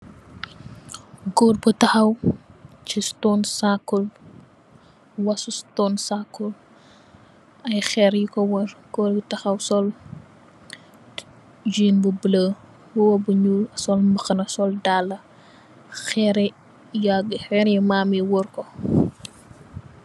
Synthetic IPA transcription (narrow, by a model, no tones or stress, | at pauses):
ɡɔːrbutɐxɐw | cistɔnsakːul | wɐsustɔnsakːul | ɐjxɛɾjikɔwɔrɡ̥ɔːɾbutɐxɐwsɔl | d͡ʒiːnbubələ | wɔwɔbuɲuːlɐsɔlməxɐnɐsɔldalːɐ | xɛɾɛ | jaɡxɛːɾjimaːmiwɔrkɔ